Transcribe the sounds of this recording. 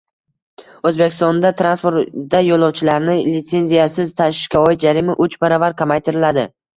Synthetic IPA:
ɵzbekʲʰɪst̪ɒnd̪at̪ʰɾanspoɾt̪d̪ajolˠɒwt͡ʃʰɪlaɾnɪlɪt̪se̞nzijasɪzt̪ʰaʃɪ̥ʃkʲaɒjɪt̪̚d͡ʒaɾimaʔʊt͡ʃbaɾavaɾqʰɑmajt̪ʰɪɾɪlad̪ɪ

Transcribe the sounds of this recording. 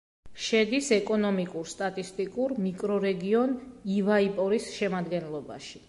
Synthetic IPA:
ʃɛd̪isɛkʼɔnɔmikʼuɾst̪ʼat̪ʼist̪ʼikʼuɾmikʼɾɔɾɛɡiɔnivaipʼɔɾisʃɛmad̪ɡɛnlˠɔba̰ʃi̥

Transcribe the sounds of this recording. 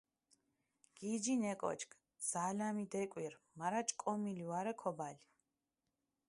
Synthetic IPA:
ɡ̥id͡ʒinɛkʼɔ̰t͡ʃʰkʰ | z̥alamid̪ɛkʼwiɾ | maɾat͡ʃʼkʼɔmiliwaɾɛkʰɔbal

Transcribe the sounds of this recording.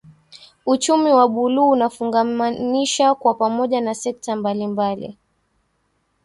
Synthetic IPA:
ut͡ʃumiwaɓuluːnafuŋɡaaniʃakwapamɔʄanasɛk̚tambalimbalḭ

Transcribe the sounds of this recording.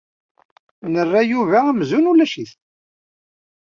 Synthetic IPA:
nərːæjuvaæmzunulæʃiθ

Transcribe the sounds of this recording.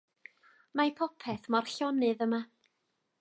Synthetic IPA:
majpʰɔpʰɛθmɔrɬjɔnɨðəma

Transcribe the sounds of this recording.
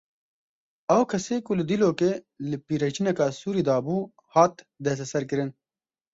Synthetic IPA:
ɐwkʰɐsekulɨd̪iloːke | ləpiɾɐt͡ʃinɐkasuːɾid̪aːbuː | haːt̪ | d̪es̬ɐsɐɾkəɾən

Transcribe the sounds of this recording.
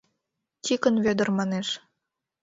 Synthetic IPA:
tʲikə̆nvød̪ə̆rmɑneʃ

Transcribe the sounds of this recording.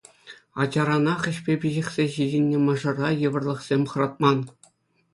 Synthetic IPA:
ɑ̰d͡ʑɑɾɑnɑχʲɘ̆ɕpʲepʲiʑĕχsʲeʑidʲinʲːemɤ̆ʐɤ̆rɑjɤ̆ʋɤ̆rlˠɤ̆χsʲemʲχɤ̆rɑt̪̚mɑn

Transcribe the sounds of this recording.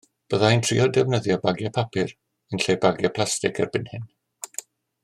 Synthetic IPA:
b̥əðaintʰrḭɔdɛvnəðjɔbaɡjapʰapʰɪr | ənɬejbaɡjapʰlˠastɪkʰɛrbɪnhɪn

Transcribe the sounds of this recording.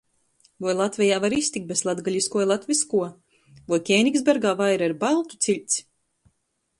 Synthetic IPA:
vɔjlˠat̪vʲɛjaːvaɾist̪ik̪̚beslˠad̪ɡalʲiskuɔilˠat̪vʲiskuɔ | vɔjkʲɛjnʲikzbʲɛɾɡaːvajɾaiɾbalˠt̪u̥t̪silʲt̪s

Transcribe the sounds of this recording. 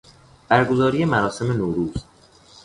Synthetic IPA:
b̥æɾɡo̞zɒːɾije̞mæɾɒːse̞me̞noːɾuːz

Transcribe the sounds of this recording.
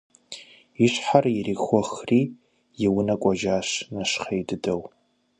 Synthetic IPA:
iɕʷħarjirixʷɔxriː | jɪwʊnɐkʷʼɔʒaːʂnaʃχejdɨdɐw

